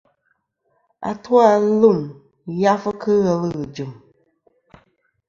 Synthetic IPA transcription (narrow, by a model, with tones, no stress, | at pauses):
a̰˨tu˦a˦lu˦˨m | ja˦fə˦kʰɨ˦ɣɛ˦lɣɨ˨d͡ʒɨ˨m